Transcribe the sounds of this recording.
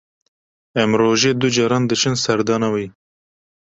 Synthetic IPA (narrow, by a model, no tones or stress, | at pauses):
ɛmɾoːʒeːd̪ud͡ʒɑːɾɑːnd̪ɨt͡ʃʰɨnsɛɾd̪ɑːnɑwiː